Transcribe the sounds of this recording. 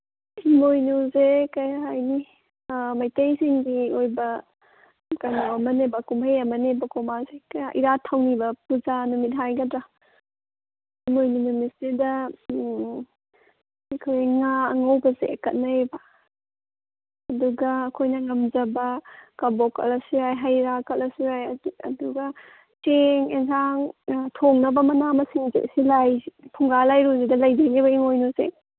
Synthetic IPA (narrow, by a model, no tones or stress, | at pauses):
himojnuzekɐjɦajni | majtejsiŋdiojbɐ | kaŋawɐmɐnebɐkumpʰajamɐnebɐkomazekajaʔiɾatʰawnibɐpuzanumit̚ɦajɡɐdɾa | himojnunumitsidɐ | ekʰojŋaɐŋɐwbɐzḛkɐ̰t̚nɐebɐ | ɐduɡɐːkʰojnɐŋɐmd͡ʒɐbɐkɐbokɐ̰lɐsiɾajɦajɾakɐtlɐsiɾajɐduɡɐ | teŋeŋsʰaŋtʰoŋnɐbɐmɐnamɐsiŋzḛʔsilajpʰuŋɡalajɾuzidɐlɐjzejnibɐiŋojnosḛ